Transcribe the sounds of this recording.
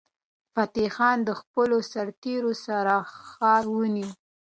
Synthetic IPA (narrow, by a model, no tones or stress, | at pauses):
fat̪exɑnd̪əxpəlosaɾt̪eɾosaɾaxɑɾwəni